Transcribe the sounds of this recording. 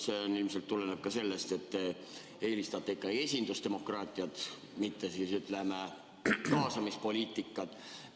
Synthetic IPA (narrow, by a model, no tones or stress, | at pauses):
seonilmselt̪ːulːeneb̥̚kɑse̞lːest̪e̞t̪ːe | e̞ːlist̪ɑt̪ːˑeikːˑɑe̞sʲind̪ust̪e̞mo̞krɑːt̪ːˑiɑt̪ | mit̪ːesisyt̪ˑleme | kɑːsɑmispo̞lʲiːt̪ːˑikˑːɑt̪